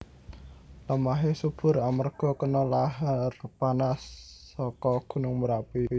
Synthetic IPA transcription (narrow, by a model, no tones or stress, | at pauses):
ləmaɦesub̥ʊ̤ɾamərɡ̥ɔ̤kənɔlaɦɛrpanasː | ɔkɔɡ̥ṳnʊŋməɾapi